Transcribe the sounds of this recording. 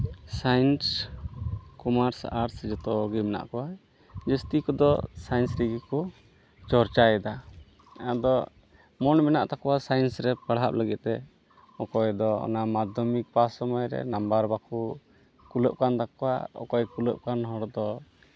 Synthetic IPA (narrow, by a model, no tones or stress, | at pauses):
sajns | kɔmaɾsaɾsd͡ʒɔt̪ɔʔɔɡimɛna̰ʔkɔwa | d͡ʒəst̪ikɔd̪ɔ̰sajnsɾiɡikɔ | t͡ʃɔɾt͡ʃaɛd̪a | ad̪ɔ | mɔnmɛna̰ʔt̪akɔwasajənsɾɛpaɽɦap̚ləɡit̪̚t̪ɛ | ɔkɔjd̪ɔɔ̰namad̪ʱɔmik̚pasɔmɔjɾɛ̰nambaɾbaku | kuləʔ̚kant̪akɔwa̰ɔ̰kɔjkuləʔkanɦɔɽd̪ɔ